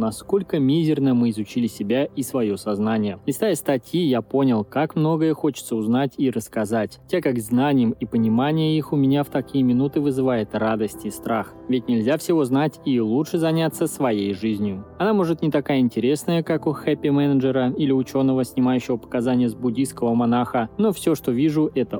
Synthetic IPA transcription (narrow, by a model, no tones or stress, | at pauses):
nɐsko̞lʲkəmʲizʲɪrnəmɨɪzʊt͡ɕilʲɪsʲɪbʲaʔisvɐjo̞sɐznanʲɪjəlʲɪst̪ajəst̪ɐtʲjijapo̞nʲɪlˠkakmno̞ɡəjəxo̞t͡ɕɪ̥t̪səʊznatʲiɾəskɐzatʲtʲekakznanʲɪjəmipənʲɪmanʲɪjəixʊmʲɪnʲaft̪ɐkʲijəmʲɪnut̪ɨvɨzɨvajɪt̪rad̪əsʲtʲɪst̪ɾax | vʲɪtʲnʲɪlʲzʲafsʲɪvo̞znatʲilˠutʂɨzɐnʲat̪sːəsvɐjejʐɨzʲnʲjʊɐnamo̞ʐɨt̪nʲɪt̪ɐkajəɪnʲtʲɪɾʲe̞snəjəkakʊxɛpʲːɪmɛnəʐɨɾəilʲɪʊt͡ɕo̞nːəvəsʲnʲɪmajʉɕːɪvəpə̥kɐzanʲɪjəzbʊdʲiskəvəmanaxəno̞fsʲo̞ʂt̪o̞vʲiʐʊʔɛt̪ə